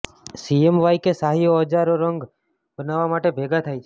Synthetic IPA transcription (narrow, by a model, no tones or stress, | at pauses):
siemʋajkesaɦijoəd͡ʒaɾoɾəŋɡ | bənaʋamaʈebʱeɡat̪ʰajt͡ʃʰe